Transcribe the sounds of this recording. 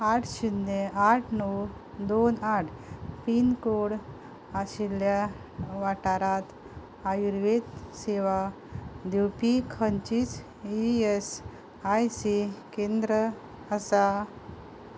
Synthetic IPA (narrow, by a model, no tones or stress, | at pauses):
aʈʰɕud̪ːeaʈʰnɔw | d̪onaʈʰpinkoɽ | aɕilja | ʋaʈaɾat̪ | ajuɾʋet̪seʋa | d̪iwpikʰənt͡ɕit͡s | ies | ajsikend̪ɾə | asa